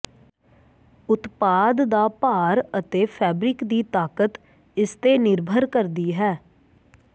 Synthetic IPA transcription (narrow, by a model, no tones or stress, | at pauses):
ʊt̪paːd̪d̪aːpaːɾət̪eːpʰɛːbɾɪkd̪iːt̪aːkət̪ | ɪst̪eːnɪɾbʱəɾkəɾd̪iːɦɛː